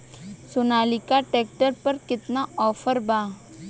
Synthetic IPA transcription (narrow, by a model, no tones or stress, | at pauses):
sʊnaːlikaʈeːk̚ʈəɾpɐɾkɪt̪naɔːfʰəɾbaː